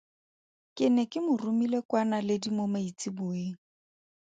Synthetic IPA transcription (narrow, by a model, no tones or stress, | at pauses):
kʼɪnɛkʼɪmʊrʊmilekwanalɪdimomait͡sʼibʊːeːŋ̩